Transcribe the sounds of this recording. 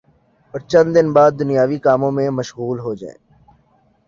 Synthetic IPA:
ɔːɾt͡ʃə̃nd̪d̪ɪnbaːd̪̚ːʊnijaːʋikaːmõmẽməʃɣuːlɦoːd͡ʒa̰ːḛ̃ː

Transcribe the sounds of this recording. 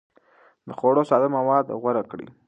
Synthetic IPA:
d̪əxoɽosɑd̪amawɑd̪ɣwaɾakɽḭ

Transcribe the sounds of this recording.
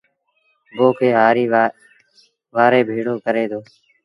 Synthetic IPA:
boːkʰeːɦaːɾiː | ʋaːɾeːbʱiːɽoːkəɾeːd̪oː

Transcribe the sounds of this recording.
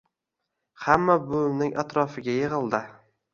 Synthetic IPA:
hamːabolmnɪŋʔat̪ɾɒfɪɡʲajeʁɨlˠd̪ɪ

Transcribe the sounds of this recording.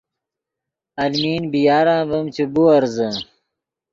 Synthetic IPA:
ɐlmiːnbijaːɾãːbɐmt͡ɕibuɐɾzə

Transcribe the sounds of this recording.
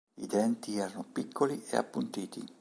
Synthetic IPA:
ḭd̪ɛnt̪iɛːɾanopikʰːoliḛa̰pːunt̪iːt̪i

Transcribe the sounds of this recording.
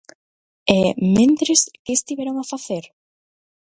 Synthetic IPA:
ɛmẽnt̪ɾɪskɪːst̪iβɛɾoŋafaθeɾ

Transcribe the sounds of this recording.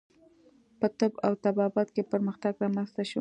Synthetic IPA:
pət̪əbawt̪abɑbat̪kepəɾməxt̪aɡɾɑmanzt̪aʃu

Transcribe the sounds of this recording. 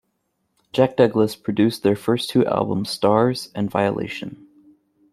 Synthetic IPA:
d̥ʒ̥æk̚d̥ʌɡləspʰɹ̥ɨdʉsðə˞fɜ˞stʰʉʔæ̰lˠbə̰̃m̩z̥stɑɹz̥ɨ̃nva̰ɪəlḛɪʃɨ̃n

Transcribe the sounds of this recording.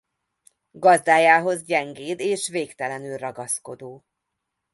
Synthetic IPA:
ɡɒzd̪aːjaːɦo̞zɟɛŋɡeːd̪eːʃveːkt̪ɛlɛnylrɒɡɒsko̞d̪oː

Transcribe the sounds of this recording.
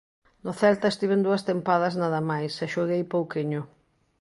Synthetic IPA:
nʊθɛlt̪ɐest̪iβend̪uɐst̪empaðɐznaðɐmajsɛʃoɣejpowkiɲʊ

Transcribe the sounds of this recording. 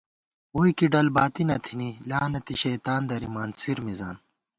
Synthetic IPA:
uːikiɖɐlbaːt̪inɐt̪ʰinilaːnɐt̪iɕɐjt̪aːnd̪ɐɾimaːnsiɾmiza̰ːn

